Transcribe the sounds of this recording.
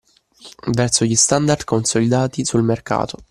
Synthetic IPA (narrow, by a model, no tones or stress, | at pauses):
vɛrsoʎist̪and̪aɾd̪konsolid̪aːt̪isulmerka̰ːt̪o